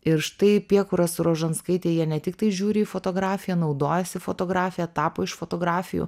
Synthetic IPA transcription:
ɪɾʃt̪ɐɪpʲiɛkʊɾɐsʊɾoːʒɐnskɐɪt̪ʲeːjiɛnʲɛt̪ʲɪk̚t̪ɐɪʒʲuːɾʲɪiːfoːt̪oːɡɾɑːfʲɪjɛnɒʊd̪oːjɛsʲɪfot̪oːɡɾɑːfʲɪjɛt̪ɑːpoːɪʃfoːt̪oːɡɾɑːfʲɪjṵ

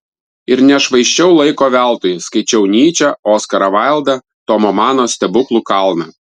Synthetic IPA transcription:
ɪɾnʲɛʃʋɐɪʃʲt͡ʃʲɛʊlˠɐɪkoːʋʲæˑlˠt̪oːjskɐɪt͡ʃʲɛʊnʲiːt͡ʃʲɛoːskɐɾɐʋɑɪlˠd̪ɐ | t̪ɔmomɑːnoːsʲt̪ʲɛbʊklˠukɑlˠnɐ

